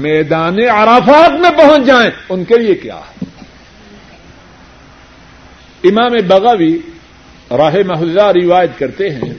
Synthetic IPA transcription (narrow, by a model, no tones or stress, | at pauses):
mɛːd̪aːneɐɾafaːt̪mẽpɐɦʊ̃nt͡ʃd͡ʒaːẽʊnkeliekja̰ːɦɛ | ɪmaːmebɐɣaʋi | ɾɐɦemɐɦʊzaɾɪʋaːjət̪kɐɾt̪eɦɛ̰̃ː